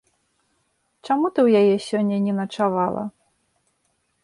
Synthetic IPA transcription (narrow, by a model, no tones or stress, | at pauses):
t͡ʂamut̪ɨwjajɛsʲɔnʲːɐnʲɛnɐt͡ʂavalˠɐ̰